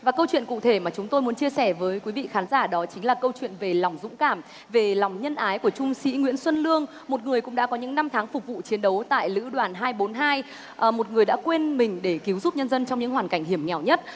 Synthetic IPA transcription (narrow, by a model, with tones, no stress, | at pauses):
vaː˨˩kə˧wt͡ɕwḭ˧˨ənkṵ˧˨t̪ʰe˧˩maː˨˩t͡ɕʊ˨˦ŋ͡mt̪o˧jm˨˦ənt͡ɕi˧əsɛ˧˩vəː˨˦jkwi˨˦vḭ˧˨xaː˨˦nzaː˧˩ɗɔ˨˦t͡ɕï˨˦ŋ̟laː˨˩kə˧wt͡ɕwḭ˧˨ənve˨˩lɔ˨˩wŋ͡mzʊ̰˧˥ŋ͡mkaː˧˩m | ve˨˩lɔ˨˩wŋ͡mɲə˧nʔaː˨˦jku˧˩ət͡ɕʊ˧ŋ͡msḭ˧˥ŋwḭ˧˥ənswə˧nlɨ˧əŋ | mo˨˩t̚ŋɨ˨˩əjkʊ̰˧˥ŋ͡mɗa̰ː˧˥kɔ˨˦ɲɨ̰˧˥ŋna˧mt̪ʰaː˨˦ŋfʊ˨˩k̚vṵ˧˨t͡ɕi˨˦ənɗə˨˦wt̪a̰ː˧˨jlɨ̰˧˥ɗwaː˨˩nɦaː˧jɓo˨˦nɦaː˧j | ʔmo˨˩t̚ŋɨ˨˩əjɗa̰ː˧˥kwe˧nmï˨˩ŋ̟ɗe˧˩ki˨˦əwzu˦˥p̚ɲə˧nzə˧nt͡ɕɔ˧ŋ͡mɲɨ̰˧˥ŋɦwaː˨˩nka˧˩jŋ̟hi˧˩əmŋɛ˨˩wɲə˦˥t̚